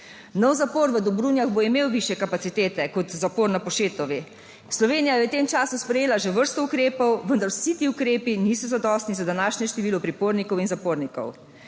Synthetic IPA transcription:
nɔwzapoːɾʋəd̪ɔbɾuːnjaɣboimeːwʋiʃjɛkapat̪sit̪eːt̪ɛkɔt̪zapoːɾnapɔʃeːt̪ɔʋi | slɔʋeːnijajɛt̪eːmt͡ʃaːsuspɾɛjeːlaʒeʋəɾst̪ɔukɾeːpɔwʋənd̪aɾwsit̪iːukɾeːpiniːsɔzad̪ɔst̪nizad̪anaːʃnjɛʃt̪ɛʋiːlɔpɾipoːɾnikɔwinzapoːɾnikɔ̰w

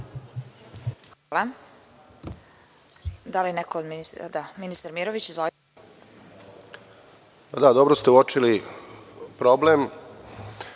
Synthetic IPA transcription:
xalˠa | d̪alinekood̪minisd̪aminist̪aɾmiɾoʋit͡ɕizʋo | pad̪ad̪o̞bɾost̪euot͡ʃili | pɾoblem

